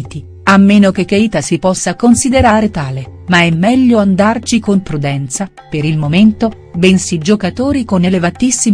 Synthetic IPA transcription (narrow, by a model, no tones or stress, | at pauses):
t̪i | amːeːnok̟ekːeit̪asipɔsːakonsid̪eɾaːɾet̪aːlemaɛmːɛʎːoand̪art͡ʃikompɾud̪ɛnt̪sa | peɾilmoment̪o | bɛnsid͡ʒokat̪oːɾikonelevat̪isːi